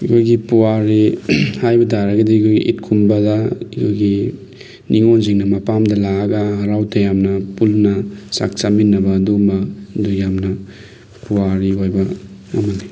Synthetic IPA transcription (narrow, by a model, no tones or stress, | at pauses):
ikʰojɡipuwaɾihajbɐdaɾɐɡɐdikʰojɡḭʔḭtkʰumbɐdɐikʰojɡi | nʔiŋonziŋnɐmɐpamdɐlaɐɡɐɦɐɾawtʰɐjamnɐpulnɐsa̰k̚t͡ʃaminːɐbɐːdumɐdujamnɐ | puwaɾiɦojbɐɐ̰mɐni